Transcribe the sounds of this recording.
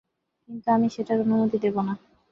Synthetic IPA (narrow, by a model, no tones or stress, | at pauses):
kint̪uamiʃeʈaɾonumut̪id̪ebona